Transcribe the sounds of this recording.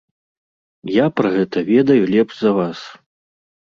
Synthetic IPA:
japɾɐɣɛt̪ɐvʲɛd̪ɐjulʲɛbʐzɐvas

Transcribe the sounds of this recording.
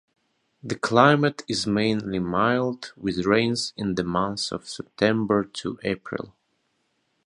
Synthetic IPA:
ðɨkʰl̥aɪmɨtɪzmẽɪ̃nlimaɪlˠdwɪðɹẽɪ̃nzɪ̃nðɨmʌ̃nθsʌ̰v̥sɛp̚tʰɛ̃mbə˞tʰṵʔeɪpʰɹɪ̰lˠ

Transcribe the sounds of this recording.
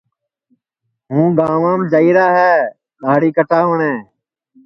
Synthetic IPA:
ɦũːɡaːʋãːmd͡ʒəiːɾaːɦɛː | ɗaːɽiːkəʈʰaːɦoːɳẽː

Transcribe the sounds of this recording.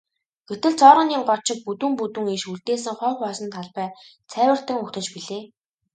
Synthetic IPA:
ɡ̥et̪ɘ̆ɮt͡sɔːɾə̆niːŋɢɔt͡ɕɪ̆k̚put̪ŭmput̪ɘ̆ŋiʃuɮt̪eːs̬ɘ̆ŋχœːwpɔsɞ̆nt̪ʰaɮpæː | t͡sʰæːwʲə̆r̥t̪ə̆ŋʊkt̪ə̆t͡ɕpiɮeː

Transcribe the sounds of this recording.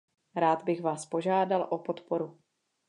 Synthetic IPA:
ɾaːd̪bɪxvaːspo̞ʒaːdalʔopot̪po̞ɾu

